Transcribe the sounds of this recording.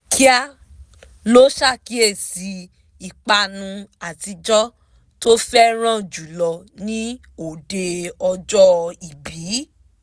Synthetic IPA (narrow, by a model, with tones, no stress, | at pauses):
kʰi˦a˦ | lo˦ʃa˦˨ki˦e˦˨si˧ | i˨k͡pa˧nũ˧a˨ti˧d͡ʒɔ˦ | to˦fɛ˦ɾ̃ã˦˨d͡ʒu˨lɔ˧nĩ˦ | o˨de˧ɔ˧d͡ʒɔ˦i˨biː˨˦